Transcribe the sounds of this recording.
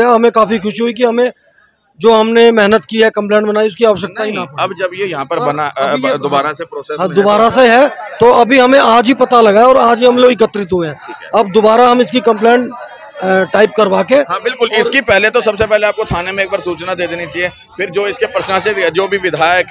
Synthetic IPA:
aɦɐmẽkaːfixʊʃiɦuik̬iɦɐmẽ | d͡ʒoːɦɐmnemɛɦnət̪kiɦɛkɐ̃mplẽːɳʈbɐnaːiʊskiaːʋəʃ̬ək̚t̪aɦinapːɐbd͡ʒɐbjejɐɦãpɐɾbɐnad̪ʊbaːɾasepɾoːseːsɦãd̪ʊbaːɾaseɦɛt̪oɐbʱiɦɐmẽʔaːd͡ʒɦipɐt̪alɐɡaːeɔːɾaːd͡ʒiɦɐmloːɪkət̪ɾɪt̪ɦueɦɛ̃ːiːkɐb̚d̪ʊbaːɾaɦɐmɪskikɐ̃mplẽːɳʈ | ʈaːɪp̚kɐɾʋaːkeɦãbɪlkʊlɪskipɛɦlet̪osɐbs̬epɛɦleaːp̚kot̪ʰaːnemẽeːk̚baːɾsuːt͡ʃnad̪eːd̪eːnit͡ʃaːɦie | fʰɪɾd͡ʒoːɪskepɾəsnased͡ʒoːbʱiʋɪd̪ʱaːjək

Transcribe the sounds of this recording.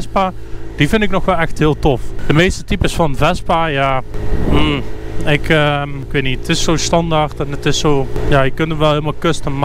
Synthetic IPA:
spad̥ifɪndɪknɔxʋɛlˠɛxthɪːəlˠtɔfd̥əmeːstətipəsfɑnvɛspajaːm̩ɪkʰəmɪkʋeːtnitətɪsːoːstɑndartɛnətɪsːoːjaːjəkɵntəmʋɛlˠhɪəlˠmalˠkøstənm

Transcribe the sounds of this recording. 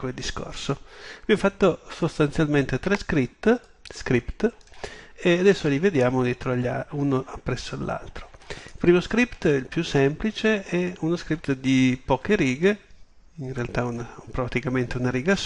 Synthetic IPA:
kweld̪isko̰rsobifat̪ːosost̪ansjalment̪et̪ɾɛskɾit̪ː | skɾipt̪ | ead̪ɛsːolived̪jaːmod̪jɛːt̪ɾoaʎːaunoapːɾɛsːoalːʔa̰lt̪ɾoilpɾiːmoskɾipt̪ilpjusːɛmplit͡ʃeɛunoskɾip̚t̪d̪ipɔːkeɾiːɡe | inrealt̪aunapɾat̪ikament̪eunaɾiːɡas

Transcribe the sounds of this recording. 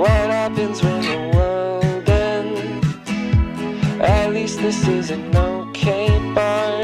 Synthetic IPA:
wʌɾ̚hæpɨ̃nzwɪ̃nəwʌndɨn | ʔɨtˡlist̪̚ðɪsɪzɨ̃nːoʊkʰẽɪ̃mbɑ

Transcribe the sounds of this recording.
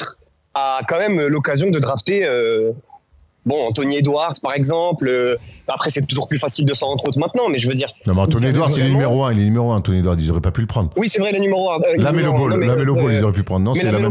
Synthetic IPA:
t̪χ | akɑ̃mɛmølɔkazjɔ̃d̪əd̪ʁaft̪eø | bɔ̃ɑ̃t̪̬ɔnied̪waʁpaʁɛɡzɑ̃pløapχɛsɛt̪uʒuʁplyfasild̪əsə̃ʁɑ̃d̪χot̪χmɛ̃t̪nɑ̃mɛʒəvød̪iːʁnɔ̃meɑ̃t̪ɔnied̪waʁsɛlenymeʁoɛ̃elenymeʁoɛ̃t̪ɔnied̪waʁizɔʁɛpapyləpχɑ̃d̪ʁwisɛvʁɛlənymeʁoɛ̃lamelɔpɔllamelɔpɔlizɔʁɛpypχɑ̃d̪ʁnɔ̃mɛɛl

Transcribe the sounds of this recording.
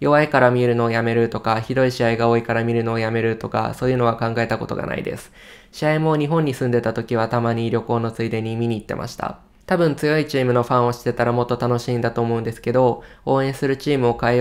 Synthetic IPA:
jo̞βaikaɾamʲiɾɯ̟no̞ːjame̞ɾɯ̟t̪o̞kaçid̪o̞iɕiaiɡaoːikaɾamʲiɾɯ̟no̞ːjame̞ɾɯ̟t̪o̞ka̰so̞ːjɯ̟no̞βakãŋɡae̞t̪ako̞t̪o̞ɡa̰na̰ḭd̪e̞̰sɨ̥ | ɕiaimo̞ɲ̟iɦõ̞ɲ̟ːisɨ̃nd̪e̞t̪at̪o̞kʲiβ̞at̪amaɲ̟iɾʲo̞ko̞ːno̞t͡sɨid̪e̞ɲ̟imʲiɲ̟ʲiːt̪ːe̞mʔa̰ɕi̥t̪a̰ | t̪abɯ̟̃nt͡sɨjo̞it͡ɕiːmɯ̟no̞ɸãɰ̃o̞ɕi̥t̪ːe̞t̪aɾamo̞t̪ːo̞t̪ano̞ɕĩnd̪at̪o̞ːmo̞ɯ̟̃nd̪e̞sɨ̥ke̞d̪o̞oːẽ̞ɰ̃sɨɾɯ̟t͡ɕiːmɯ̟o̞kae

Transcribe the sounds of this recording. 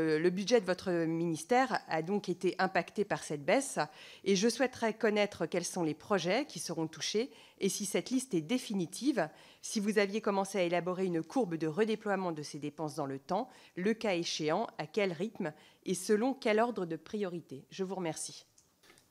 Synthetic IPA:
ləbyd̪ʒɛd̪əvɔt̪χəminist̪ɛʁad̪ɔ̃ket̪eʔɛ̃pakt̪epaʁsɛt̪̚bɛseʒəswɛt̪χɛkɔnɛt̪χəkʲɛlsɔ̃lepχɔʒɛkʲisəʁɔ̃t̪uʃeː | sisɛt̪list̪ɛd̪efinit̪ʰiv | sivuzavjekɔmɑ̃seaelabɔʁeynkʰuʁbd̪əʁəd̪eplwamɑ̃d̪əsed̪epɑ̃sd̪ɑ̃lət̪ɑ̃ləkaeʃeɑ̃akʲɛlʁit̪m | esəlɔ̃kʲɛlɔʁd̪ʁəd̪əpχijɔʁit̪eʒəvuʁəmɛʁsi̥

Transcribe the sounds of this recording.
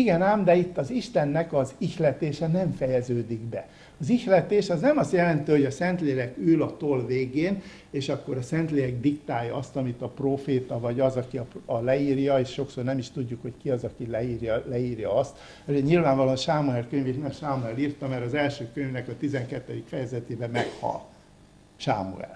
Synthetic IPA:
iɡɛnaːmd̪ɛit̪ːɒziʃt̪ɛnːɛkɒzixlɛt̪eːʃɛnɛɱfɛjɛzøːd̪iɡbɛ | ɒzixlɛt̪eːʃɒznɛmɒst̪jɛlɛnt̪øːhoɟɒsɛnt̪leːɾɛkylɒt̪olveːɡeːn | eːʃɒkːo̞ɾɒsɛnt̪leːɛɡ̚d̪ikt̪aːjːɒ̰ɒst̪ɒmit̪ɒproːfeːt̪ɒvɒɟɒzɒkiɒɒlɛiːrjɒeːʃːo̞ksornɛmiʃt̪uɟːukho̞ckiɒzɒkilɛiːrjɒlɛiːrjɒɒst̪ | ɒzeɲilvaːɱvɒlonʃaːmuɛrkøɲveːʃnɛmʃaːmuɛliːrt̪ɒmɛɾɒzɛlʃøːkøɲvnɛkɒt̪izɛŋkɛt̪ːɛd̪ikfɛjɛzɛt̪eːbɛmɛkhɒ̰l | ʃa̰ːmṵɛ̰r

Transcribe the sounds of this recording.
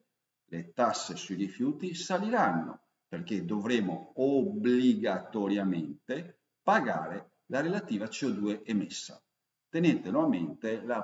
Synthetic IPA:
let̪asːesuirifjuːt̪isaliɾanːo̰ | perked̪ovɾeːmoobliɡat̪oɾjamɛnt̪e | paɡa̰ːɾe | laɾelat̪iːvat͡ʃiod̪uːeʔɛmesːa̰ | t̪enɛnt̪enwɔvament̪ela

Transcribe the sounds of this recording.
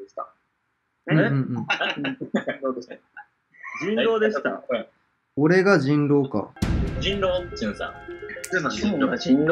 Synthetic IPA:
eɕt̪a̰ | ɯ̃ɯ̟̃ɴɯ̟̃ɴ | ĩoːd̪eɕt̪a | d͡ʑĩnɾo̞ːd̪eɕi̥t̪a̰ | oɾe̞ɡaʑĩnɾo̞ːka̰d͡ʑĩnɾoːmsa̰ | o

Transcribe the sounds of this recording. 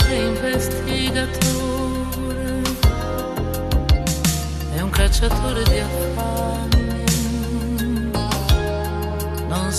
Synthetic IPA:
ɛuiɱvest̪ʰiɡat̪ʰo | ɾe | ɛuŋkat͡ʃat̪ʰoɾed̪iaf | a | n | nõns

